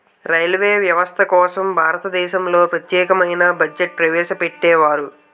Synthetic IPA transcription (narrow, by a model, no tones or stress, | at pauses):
ɾɐjlʋeːʋjɐʋɐst̪ʰɐkɔːsɐmbʱaːɾɐt̪ɐd̪ɛːʃɐmlo̞ːpɾɐt̪jɛːkɐmɐjnɐbɐd͡ʒeʈ̚pɾɐʋɛːʃɐpeʈːɛːʋaːɾu